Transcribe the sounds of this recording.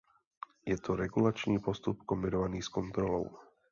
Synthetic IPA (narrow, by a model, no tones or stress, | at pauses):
jɛt̪ʰɔɾɛɡulat͡ʃniːpɔst̪upkɔmbiɾɔʋaniːskɔnt̪ɾɔlɔ̰ʊ